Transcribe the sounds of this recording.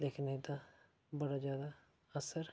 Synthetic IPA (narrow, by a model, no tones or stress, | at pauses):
leːkɪned̪aː | bəɽaːd͡ʒjaːd̪aː | əsəɾ